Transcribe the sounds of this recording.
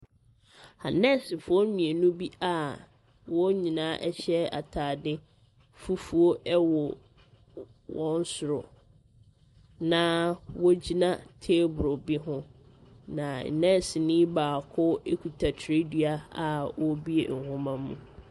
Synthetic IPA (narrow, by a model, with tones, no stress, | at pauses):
a˨nɛ̃˦˨sɪ˨fʊ˨˦ɔ˦nĩ˨e˨nũ˦bi˦a˦˨ | wɔ˦ɲĩ˨nãː˨˦ʔɛ˦ɕɛ˦a̰˨tʰaː˨dɪ˦ | fu˦fu˨o˦ɛ˦wɔ˨ | wɔ̃˦n̩˦sʊ˨ɾʊ̰˨ | nã˦wɔ˦d͡ʑi˦nã˦tʰe˦bʊ˨ɾo˨bɪ˦ɦʊ̃˦ | nã˨n̩˨nɛ̃˦˨sɪ˨nĩ˦baː˨kʰʊ˦e˦kʰu˨tʰa˨tʰɾɪ˦dɥa˦a˨wɔ˦bi˦ḛ˨ŋ̩˨hʊ̃˦mã˦mːũ˨